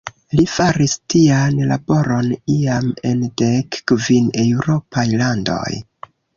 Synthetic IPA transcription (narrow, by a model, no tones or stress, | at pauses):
lifaɾistianla̰bo̞ɾo̞niame̞ndekːvine̞wɾo̞pajlando̞̰j